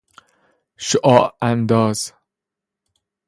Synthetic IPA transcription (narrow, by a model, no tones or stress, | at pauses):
ʃoʔɒːʔænd̪ɒːz̥